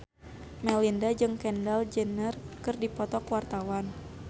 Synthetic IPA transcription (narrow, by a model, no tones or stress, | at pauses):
mɛlindad͡ʒɨŋkɛndald͡ʒənərkɨrdipɔt̪ɔkwart̪awan